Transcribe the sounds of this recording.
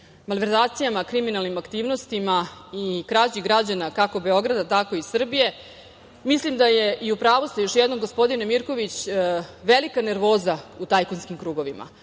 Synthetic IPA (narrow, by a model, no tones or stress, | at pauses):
malʋeɾzaːt̪sijamakɾiminalˠnimakt̪iːʋno̞st̪imaikɾat͡ɕiɡɾad͡ʑanakako̞be̞o̞ɡɾad̪at̪ako̞isr̩bije̞ | mislimd̪aje̞ʔiupɾaːʋost̪ajoʃjɛd̪no̞mɡo̞spo̞d̪inemiɾko̞ʋit͡ɕʋelikane̞ɾʋo̞ːzaut̪ajkonskimkɾuːɡo̞ʋimʔa̰